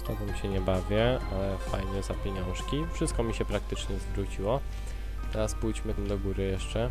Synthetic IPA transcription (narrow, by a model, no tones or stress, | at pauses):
t̪ɔɡɔmʲiɕɛɲɛbavʲjɛalɛfajɲɛzapʲeɲɔ̃w̃ʂkʲifʂɘst̪̚kɔmʲiɕɛpɾak̚t̪ɘt͡ʂɲɛzvɾut͡ɕiwɔ | t̪ɛɾaspujd͡ʑmɘmd̪ɔɡuɾɘjɛʂt͡ʂɛ